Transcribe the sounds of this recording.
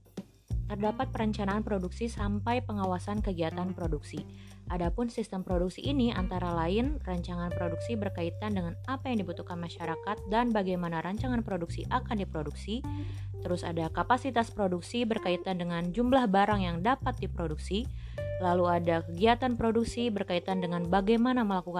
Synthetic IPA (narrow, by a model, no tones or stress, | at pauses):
t̪ərdapat̪̚pəɾəɲt͡ʃanaːnpɾoduksisampajpəŋawasankəɡiat̪anpɾoduksiʔadapʊnsist̪əmpɾoduk̚siʔːnia̰nt̪aɾalaɪnraɲt͡ʃaŋanpɾoduksibərkait̪andəŋanapajaŋdibut̪uhkanmaʃaɾakat̪̚danbaɡajmanaɾaɲt͡ʃaŋanpɾoduksiʔakandipɾoduksi | t̪əɾʊsa̰dakapasit̪aspɾoduksibərkait̪andəŋand͡ʒumblahbaɾaŋjaŋdapat̪̚dipɾoduksi | laluadakəɡiat̪anpɾoduksibərkait̪andəŋanbaɡajmanaməlakuka